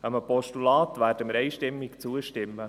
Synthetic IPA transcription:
əməpɔʃtulɑːt̪ʋæːɾd̥əməɾɛɪʃtɪmːɪkt͡suəʃtɪmːə

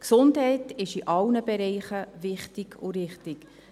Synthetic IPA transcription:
ksʊndɦɛɪtɪʃiʔɑlnəbɛɾɛɪχəvɪχtɪɡʰʊɾɪχtɪk

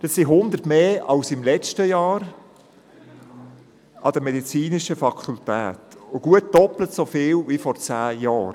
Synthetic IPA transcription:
d̥ɑssiɦʊnd̪ərtmeːɑlsɪmlɛt͡ʃtəjɑːɾ | ʔɑd̥əmɛdit͡siːnɪʃəfɑkʰultæ̰ːtʊɡ̥uət̚d̥ɔplətsofɪːlvifɔɾt͡sæːjɑːɾ

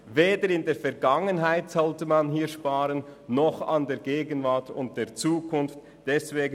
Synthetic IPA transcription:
veːdəɾɪndeːɐfɛɐɡaŋənɦaɪtz̥ɔltəmanɦiːʃpaːɾənːɔχa̰ndeːɐɡeːɡənvaɐtʊnt̚d̥eːɐt͡suːkʰʊnft | d̥ɛsveːɡ

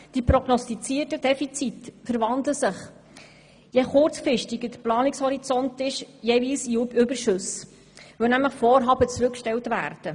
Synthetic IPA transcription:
d̥iprɔɡnɔstit͡siːərtəd̥ɛfit͡sitfəɾvɑndləsəχ | jeχʊɾt͡sfɾɪʃtɪɡəd̥əplɑːnɪkshɔɾit͡sɔntɪʃjeviːsiʏbəɾʃɵs | vœnæmləχfoːɾɦɑːbət͡sɾʉkʃtɛltvæ̰ːrd̥ə

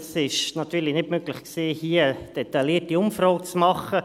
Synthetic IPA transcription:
sɪʃnɑt̪yːlinɪdmøɡlɪχksiːhiəd̥ɛt̪ɑliːətiʊmfɾɔːk̚t͡smɑχə

